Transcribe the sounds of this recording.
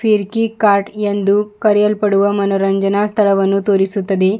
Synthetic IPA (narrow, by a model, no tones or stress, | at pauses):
fiɾkiːkaɾʈjend̪uːkɐɾjɐlpɐɽuʋəmɐnɐɾɐɲd͡ʒənast̪ʰɐɭɐʋɐnːuːt̪oɾisut̪ːəd̪e